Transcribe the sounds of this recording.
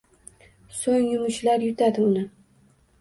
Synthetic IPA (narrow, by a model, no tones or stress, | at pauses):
soŋjʊmʊʃlaɾjʊt̪ʰad̪ɪʊnɪ